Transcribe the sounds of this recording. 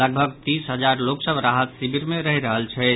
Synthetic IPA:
ləɡ̚bʱəɡt̪isɦəd͡ʒaɾloksəbɾaɦət̪sibiɾmeɾəɦiɾəɦəlt͡ʃʰɛ

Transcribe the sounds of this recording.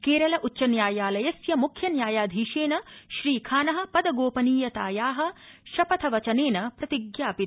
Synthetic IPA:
keːɾɐlɐʔutːʃɐnjaːjaːlɐjɐsjɐmukʰjɐnjaːjaːd̪ʱiːʃeːnɐʃɾiːkʰaːnɐɦɐ̆pɐd̪ɐɡoːpɐniːjɐt̪aːjaːɦɐ̆ʃɐpɐt̪ʰɐʋɐt͡ʃɐneːnɐpɾɐt̪iɡjaːpit̪

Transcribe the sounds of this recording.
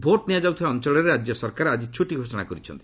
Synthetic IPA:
bʱoʈniad͡ʒawt̪ʰibaɔnt͡ʃɔlɔɾeɾad͡ʒjɔsɔɾkaɾad͡ʒit͡ʃʰuʈiɡʱosɔɽ̃akɔɾit͡ʃʰɔ̰nt̪i̥

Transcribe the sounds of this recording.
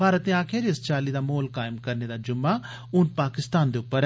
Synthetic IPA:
pʰaːɾət̪nẽaːkʰɪɾɪst͡ʃaːlid̪aːmoːlkaːɪmkɐɾned̪ad͡ʒʊmːa | ʊnpaːkɪst̪aːnd̪eʊpːəɾ

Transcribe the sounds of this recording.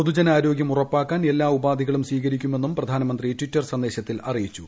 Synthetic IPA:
pod̪ud͡ʑɐnaːɾo̞ːɡjɐmurɐpːaːkːaːne̞lːaːubaːd̪ʱiɣɐɭumsʋiːɣɐɾikʲːume̞nːumprɐd̪ʱaːnɐmɐnd̪ritwitːɐrsɐnd̪e̞ːɕɐt̪ːilɐrijit͡ɕːu

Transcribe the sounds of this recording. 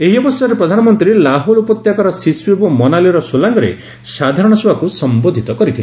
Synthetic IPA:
eɦiɔbɔsaɾepɾɔd̪ʱanɔmɔnt̪ɾilaɦolupɔt̪jakɔɾɔsiswebumɔnaliɾɔsolaŋɡɔɾḛ | sad̪ʱaɾɔɽ̃ɔsubakusɔmbod̪ʱit̪ɔkɔɾit̪ʰila

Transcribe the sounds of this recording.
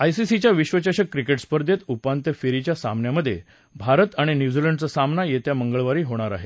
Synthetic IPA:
ajsisit͡ɕjaʋiɕʋət͡ɕaɕəkːɾikeʈspəɾd̪ʱjet̪upant̪əfeɾit͡ɕjasa̰mnjaməd̪ʱːje | bʱaɾət̪aɽ̃injud͡ziləɳɖt͡səsamnajet̪jaməŋɡəɭʋaɾiːɦoɽ̃aɾa̰ɦe

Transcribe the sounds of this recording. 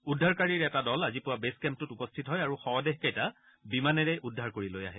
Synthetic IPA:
udʱːaɹkaɹiɹɛtadɔlazipʊwabeskɛmp̚tutupɔstʰitɦɔjaɹuxɔɔdeɦkejta | bimanɛɹɛʔudʱːaɹkoɹiloja̰ɦɛ

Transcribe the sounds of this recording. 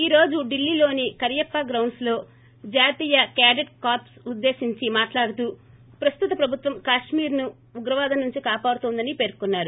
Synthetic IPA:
iːɾo̞ːd͡ʒuɖilːilo̞ːnikɐɾjɐpːɐɡɾɐwɳslo̞ː | d͡ʒaːt̪iːjɐkaːɖeʈkaːpsud̪ːeːsiɲt͡ʃimaːʈlaːɽut̪uː | pɾɐst̪ut̪ɐpɾɐbʱut̪ʋɐmkaːʂmiːɾnu | uɡɾɐʋaːd̪ɐnuɲt͡ʃikaːpaːɽut̪ɔnd̪ɐnipe̞ːɾkunːaːɾu

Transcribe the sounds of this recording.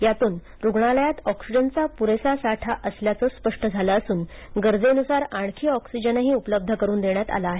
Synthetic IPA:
jat̪uːn | ɾuɡɳaləjat̪ɔksid͡ʑənt͡sapuɾesasaʈʰaʔəsljat͡səːspəʂʈəd͡zʱalaːsuːn | ɡəɾd͡zenusaɾaɳ̃kʰiːɔksid͡ʑənaɦiːupələb̚d̪ʱəkəɾuːnd̪eɳjat̪a̰laːɦe

